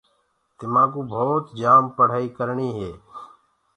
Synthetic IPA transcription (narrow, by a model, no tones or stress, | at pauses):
t̪ɪmaːɡũːbʱoːt̪d͡ʒaːmpəɽ̤aːiːkəɾɳiːɦeː